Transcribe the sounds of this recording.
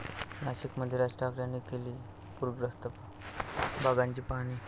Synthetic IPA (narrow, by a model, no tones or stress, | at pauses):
naɕikməd̪ʱjeɾasʈakɽjanːikeliː | puɾɡɾəst̪əpa | bʱaɡãɲt͡ɕiːpaɽ̃iː